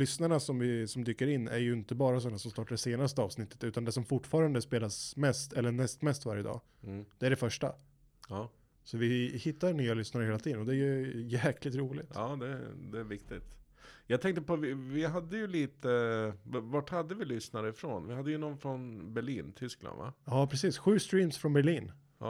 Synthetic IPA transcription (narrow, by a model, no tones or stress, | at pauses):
lʏsnaɳasɔmvɪsɔmd̪yːkːəɾɪnːæ̰ɾjɵɪnt̪əbɑːɾas̬ɔnːasɔmst̪ɑːʈːaɖɛseːnast̪əɑːvsnɪt̪ʰːə̥t̪ʉ̟ːt̪and̪ɛsɔmfʊʈːfɑːɾand̪əspeːlasmɛst̪ʰɛlːəɳɛst̪mɛst̪vaɾjəd̪ɑ̰ː | d̪̥ɛæɖɛfœʂʈa̰ | ɑː | sɔvɪhɪt̪ːaɳyːalʏsnaɾəheːlat̪iːd̪ənɔd̪ɛæjɵjæːkʰlɪt̪ɾuːlɪt̪ɑːd̪ɛ̰d̪ɛvɪkt̪ɪt̪jɑɡt̪ʰɛŋk̚t̪əpɔvɪvɪɦad̪ːəjɵliːt̪əvavaʈhad̪ːəvɪlʏsnaɾəfɾonvɪhad̪ːəjɵnɔnfɾɔnbɛɭiːnt̪ʰʏskla̰nd̪va̰ɑːpʰɾɛsiːsɧʉ̟ːst̪ɾiːmsfɾɔnbɛɾɭiːn